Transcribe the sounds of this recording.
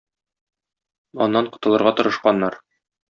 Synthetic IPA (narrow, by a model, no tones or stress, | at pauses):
ɒ̰nːɑɴqŏ̥t̪ɤ̆lˠɤ̆ɾʁɑt̪ŏɾɤ̆ʃqɑnːɑɾ